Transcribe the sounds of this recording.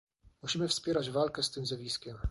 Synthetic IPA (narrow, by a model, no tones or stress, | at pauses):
muɕimɘfspʲjɛɾad͡ʑvalkɛst̪ɘmzjavʲiskʲɛm